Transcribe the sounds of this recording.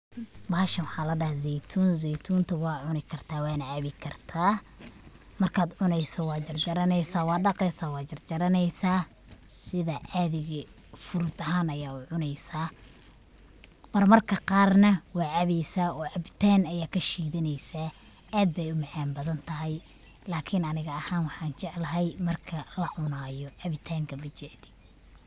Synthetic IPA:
baːʃɐnwɑħɑːlɐɖɐhzɛjt̪ʰuːnzɛjt̪ʰuːnt̪ʰɐwɑːʕʊnɪkʰɐrt̪ʰaːwɑːnɐʕaβɪkʰɐrt̪ʰaː | mɐrkʰaːd̪ʕʊnɛjsɔwɑːt͡ʃɐrd͡ʒɐɾɐnɛjsaːwɑːɖɑqɛjsaːwɑːt͡ʃɐrd͡ʒɐɾɐnɛjsaː | sɪðɐʔaðɪɣɐ | fʊɾʊt̪ʰɐɦaːnɐjaːʊʕʊnɛjsaː | m̥ɐrmɐrkʰɐqɑːrnɐwɑːʕaβɛjsaːʔɔːʕɑβɪt̪ʰaːnɐjaːkʰɐʃiːðɪnɛjsaː | aːd̪̚bɛjʊmaʕaːmbɐðɐnt̪ʰɐɦɛj | laːkʰɪnɐnɪɣɐːhaːnwɑħɑːnt͡ʃɛʕlɐɦɛjmɐrkʰɐlɐʕʊnaːjɔʕɑβɪt̪ʰaːŋkʰɐbɪt͡ʃɛd̪ɪ

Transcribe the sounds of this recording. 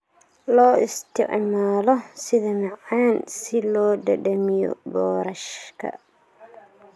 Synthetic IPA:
lɔːɪst̪ʰɪ̰ʕmaːlɔsɪðɐmɑʕaːnsɪlɔːɖɐɖɐmijɔ̰bɔːɾɐʃkʰɐ̰

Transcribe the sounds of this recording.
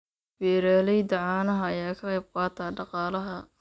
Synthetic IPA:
bɛːɾaːlɛjd̪ɐʕɑːnɐɦɐɐjaːkʰɐqɑjb̚qɑːt̪ʰaːɖɑqɑːlɐɦɐ

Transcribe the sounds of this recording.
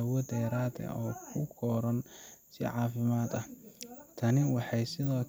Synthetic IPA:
ɐwɔd̪ɛːɾaːd̪ɐ̰ʔɔːkʰʊkʰɔːɾɐnsɪ̰ʕɑːfɪmaːd̪ɐht̪ʰɐnɪwɑħɑjsɪðɔː

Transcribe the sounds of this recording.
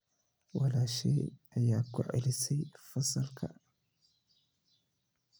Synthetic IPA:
walaʃḛːʔajaːkʊ̰ʕɪlsiːfɑsˤːɑlkʰa̰

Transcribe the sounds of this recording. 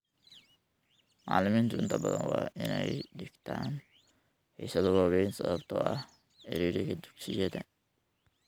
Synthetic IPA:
ma̰ːlɪmiːnt̪ʰʊʔɪnt̪ʰɐbɐðɐnwɑːʔɪnɛjɖɪɡt̪ʰaːn | ħḭsɐðʊwɑːβɛjnsɐβɐbt̪ʰɔːʔɐh | ɛɾiːɾɛkɐd̪uɡsɪjɛðɐ

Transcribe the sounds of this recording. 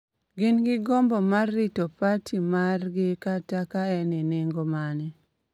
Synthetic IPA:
ɡɪnɡɪɡɔmbɔmarːitopatʰimarɡɪkatakaɛninɪŋɡomanɛ

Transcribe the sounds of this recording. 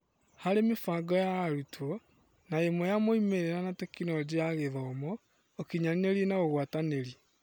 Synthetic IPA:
haɾemefaɡɔjaɾutʰɔ | naemwɔjamoimeɾeɾanatekinɔɟeaɣeðaomɔː | kiɲanineɾienaɣoɣwataneɾi

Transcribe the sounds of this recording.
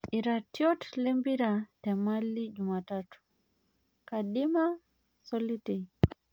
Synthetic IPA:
iɾatiɔtlɛmbiɾatɛmalid͡ʒumatatu̥ | kaɗima | sɔliti

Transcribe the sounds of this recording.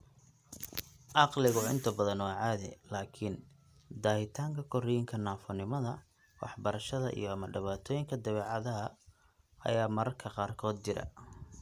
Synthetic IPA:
ʔɑqlɪɣʊʔɪ̰nt̪ʰɐbɐðɐnwaːʕɑːðɛ̰laːkʰɪn | d̪aːhɪt̪ʰaːŋkʰɐkʰɔrɪjɪŋkʰɐnaːfɔnɪmɐðɐ | wɑ̰ħbɐɾɐʃɐðɐ̰ʔḭjɔɐmɐɖɪβaːt̪ʰɔːjɪŋkʰɐd̪ɐβɛːʕɑðɐɦɐ | ɐ̰jaːmɐɾɐrkʰɐqɑːrkʰɔːd̪̚t͡ʃɪɾɐ̰

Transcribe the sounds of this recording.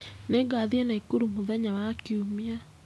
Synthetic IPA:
neɡaːðiɛnaikuɾumoðɛɲawakiumia

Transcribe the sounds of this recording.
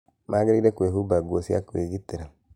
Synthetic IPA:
maɡiɾdakueɦubaɡʷosia̰kuweɡit̪eɾa

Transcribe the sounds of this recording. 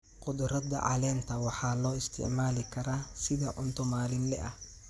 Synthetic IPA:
qʊd̪ʊɾɐd̪ɐ̰ʕɑ̰lɛːnt̪ʰɐwɑħɑːlɔːɪst̪ʰɪ̰ʕmaːlɪkʰɐɾaːsɪðɐʔʊnt̪ʰʊmaːlɪnlɛ̰ʔɐh

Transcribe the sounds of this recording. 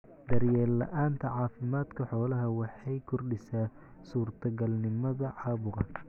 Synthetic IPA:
d̪ɐrjɛːlːɐ̰ʔaːnt̪ʰɐʕɑːfɪmaːd̪kʰɐħɔːlɐɦɐwɑħɑjkʰɔrɖɪsaː | suːrt̪ʰɐɡɐlnɪmɐðɐʕɑːβʊɣɐ

